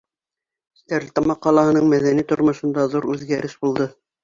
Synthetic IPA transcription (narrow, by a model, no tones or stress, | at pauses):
t̪æɾlt̪ɑmɑqːɑlˠɑhɤ̆nɤɴmæðænit̪ŏɾmŏʃɤ̆nd̪ɑðuɾʉðɡæɾʔɘʃbulˠd̪ɤ